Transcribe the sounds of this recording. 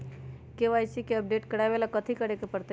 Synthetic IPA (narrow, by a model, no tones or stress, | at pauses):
keʋajsikeəp̚ɖeʈkəɽajbelakət̪ʰikəɾekepəɾt̪e